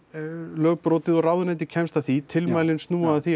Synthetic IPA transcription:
lœːɣpɾɔːwt̪ɪðɔraːwðʏnɛt̪̬ɪcʰɛmst̪aθit̪ʰɪlmaːjlɪnst̪nuːaðθi

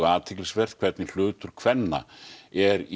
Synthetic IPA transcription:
aːt̪ʰɪklɪsvɛɾ̥ð̥kʰvɛɾt̪nɪl̥ʏːt̪ʏɾ̥kʰv̥ɛnːa̰ɛɾi

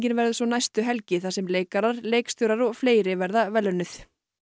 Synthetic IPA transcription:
cɪnvɛɾðʏsvɔnajst̪ʏɦɛlcɪθasɛmleːjkaɾaɾleːjkst̪ʏɾaɾɔɣfleːjɾɪvɛɾðavɛlːœnːʏθ

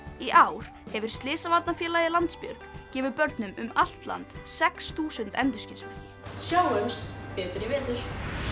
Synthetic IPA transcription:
iʔaːwɾ̥ | hɛvɪɾ̥st̪lɪːsavaɾt̪nafjɛːlaːjðɪlant̪spjœ̰ɾkcɛːvʏpœɾt̪nʏmʏmal̥t̪la̰nt̪sɛksθuːsʏnt̪ɛnt̪ʏscɪnsmɪ̥cɪ | sjaːwœmst̪pɛːt̪ɾɪvɪːt̪ʏɾ̥

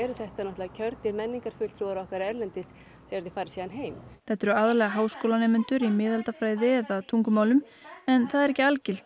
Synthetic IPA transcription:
ɛɾʏθɛht̪anɔt̪laacʰœɾt̪ɪɾmɛnːiŋkaɾ̥fʏlt̪ʰɾuːaɾɔhkaɾɛɾlɛnt̪ɪs | θeɛɾðɪfaːɾɪ̥siːðanɦeːjmθɛht̪ːɛɾʏaðlɛːɣaɦaːwskowlanɛːmʏnt̪ʏɾimɪːðalt̪afɾaːjðɪɛðaðt̪ʰuŋkʏmaːwlʏm | ɛnθaðɛɾɛhcːɪalcɪl̥t̪

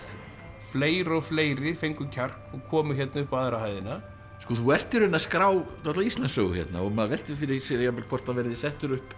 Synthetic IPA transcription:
fleːjɾɔɣfleːjɾɪfejŋkʏcʰar̥kɔɣkʰɔːmʏçɛt̪naʏhpaðɾahajðɪna | skɔθuɛr̥t̪ɪɾʏnːaskɾaːwt̪aht̪laist̪lansœːɣʏ̰çjɛ̰t̪na̰ɔmaðvɛl̥t̪ɪfɪɾɪsɪɾjapɛlkʰvɔr̥t̪avɛɾðɪsɛht̪ʏɾʏhp

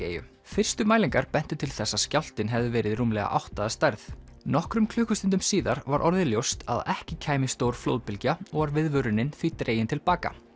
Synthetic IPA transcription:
ḛːjʏ̰ | fɪr̥st̪ʏmaːjliŋkaɾpɛn̥t̪ʏt̪ʰɪlθɛsːascawl̥t̪ɪnɦɛvðʏvɛːɾɪðruːmlɛɣa̰ʔa̰wht̪aðast̪ajɾθnɔhkɾʏmkʰl̥ʏːhkʏst̪ɪnt̪̬ʏmsiːðaɾvaɾʔɔ̰ɾðɪljowst̪a̰ða̰ʔɛhcɪcʰaːjmɪst̪oːwɾ̥flo̰ːwðpɪlcaɔɣvaɾvɪðvœɾʏnɪnθviːt̪ɾeːjɪnt̪ʰɪlpaːka̰

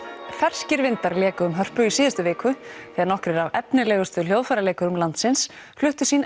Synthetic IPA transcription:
fɛr̥scɪɾvɪnt̪aɾlɛːkʏʏmɦœr̥pʏisiːðɪst̪ʏvɪːkʏθɛːɣaɾnɔhkɾɪɾavɛpnɪlɛːɣʏst̪ʏl̥joːwðfaɾaleːjkʏɾʏmlant̪sɪns | flʏht̪ʏ̥siːn

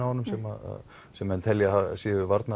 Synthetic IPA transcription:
awhanːʏmsɛma̰ða̰ | sɛmɛnt̪ʰɛljaasɪːðʏvaɾt̪na

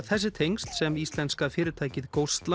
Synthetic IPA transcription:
θɛs̬ːɪt̪ʰejŋst̪sɛmist̪lɛnskafɪːɾɪɾt̪ʰaːjcɪðkowst̪la

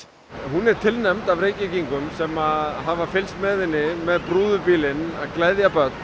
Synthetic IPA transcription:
ɦunɛɾ̥t̪ʰɪlnɛmt̪avɾeːjcɪciŋkʏmsɛmaðɦavafɪlst̪mɛːðɪnːɪmɛðpɾuːðʏpiːlɪnaðklajðjapœt̪n

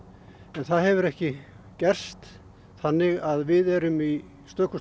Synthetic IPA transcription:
ɛnθaðhɛvʏɾɛhcɪ | cɛr̥st̪ | θanːɪɣaðvɪðɛɾʏmi | st̪œːkʏ

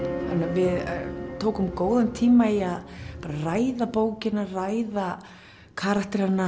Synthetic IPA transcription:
ha̰nːavɪðt̪ʰoːwkʏmkoːwðant̪ʰiːmaiaðpaːɾaraːjðapoːwcɪnːarajða | kʰaːɾakt̪ɪɾanːa

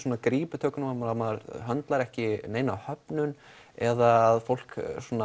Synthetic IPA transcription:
sɔːnakɾiːpʏt̪ʰœːkʏnamamaɾamaɾɦœnt̪laɾɛhcɪneːjnahœpnʏn | ɛðaːðfowl̥ksɔːna

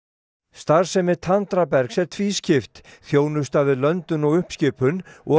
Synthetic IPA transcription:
st̪aɾ̥sɛmɪt̪ʰant̪ɾapɛɾksɛɾ̥t̪ʰviːscʰɪft̪θjoːwnʏst̪avɪðlœnt̪ʏnɔɣʏhpscɪːpʰʏnɔ

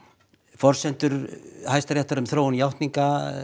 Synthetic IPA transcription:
fɔr̥sɛn̥t̪ʏɾ̥hajst̪aɾjɛht̪aɾʏmθɾowʏnjawht̪niŋka

